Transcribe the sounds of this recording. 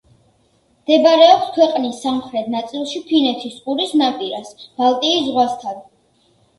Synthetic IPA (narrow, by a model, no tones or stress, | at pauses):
md̪ɛbaɾɛɔpskʰwɛqʼnisːamχɾɛt̪ʰnat̪sʼilˠʃipʰinɛt̪ʰisqʼuɾisnapʼiɾasb̥alˠt̪ʼiːszʁwast̪ʰan